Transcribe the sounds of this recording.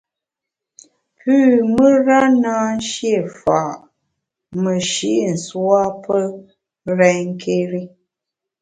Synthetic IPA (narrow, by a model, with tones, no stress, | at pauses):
pʉː˦˨mə˦ɾa˦naː˦n˦ʃje˦˨fa˨ʔ | mə˨ʃi˨˦ʔn̩˨swa˦pə˦ | ɾɛ˦ɲŋ˦kʰe˦ɾi˦